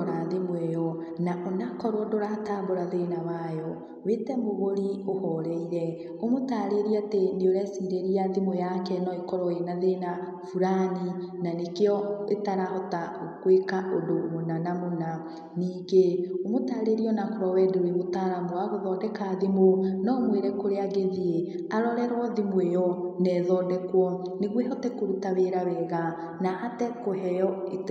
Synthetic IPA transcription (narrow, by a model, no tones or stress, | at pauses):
ɾaðemwɛjɔ | naʔonakɔɾwɔdoɾataːboɾaðenawajɔ | wetɛmoɣoɾiohɔɾɛiɾɛ | omotaːɾeɾiateneoɾɛsiːɾeɾiaðemojakɛnɔekɔɾɔenaðena | fuɾaninanekeɔetaɾahɔtaokwekaʔodomonanamona | niːŋɡeomotaɾeɾiɔnakoɾɔwɛdeweβotaɾamoaɣoðɔdɛkaːðimonɔmweɾɛkoɾeaɡeðie | aɾɔɾɛɾwɔðimwejɔnɛðɔːndɛkwɔneɣwehɔtɛkoɾutaβeɾaβɛːɣa | nahatɛkoɦɛjɔet